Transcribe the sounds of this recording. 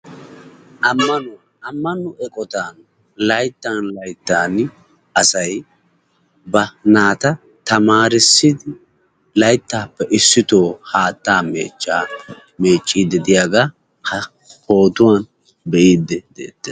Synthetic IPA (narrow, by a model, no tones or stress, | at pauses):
ʔɐmːɐnʊ | ɐmːɐnʊʔɛkʼɔt̪aːn | lɐjt̪ːɐnlɐjt̪ːaːn | ɐsɐj | bɐnaːt̪ɐ | t̪ɐmaːɾɪsːɪd̪ɪ | lɐjt̪ːaːpːɛʔɪsːɪt̪o̞ːhaːt̪ːaːmḛːt͡ʃːaː | me̞ːt͡ʃʼːid̪ɛd̪ɪjaɡaː | hɐ | po̞ːt̪ʊwan | bɛʔiːd̪ːɛd̪ḛːt̪ːɛ